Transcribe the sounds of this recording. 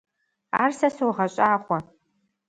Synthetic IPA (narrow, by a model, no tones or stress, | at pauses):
a̰ːrsɐsowʁɐɕʼaːχʷɔ